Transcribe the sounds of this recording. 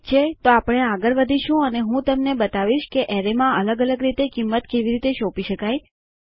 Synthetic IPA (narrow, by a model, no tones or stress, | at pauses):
t͡ʃʰet̪oapəɽ̃eaɡəɾʋəd̪ʱiʃũəneɦũt̪əmnebət̪aʋiʃkeʔɛɾemãələɡələɡɾit̪ekimːət̪keʋiɾit̪eʃopiʃəkaj